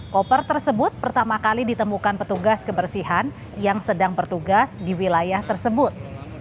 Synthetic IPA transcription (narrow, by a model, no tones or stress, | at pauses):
kɔpərt̪ərsəbʊt̪̚pərt̪amakalidit̪əmukanpət̪uɡaskəbərsiɦan | jaŋsədaŋbərt̪uɡasdiwilajaht̪ərsəbʊt̪̚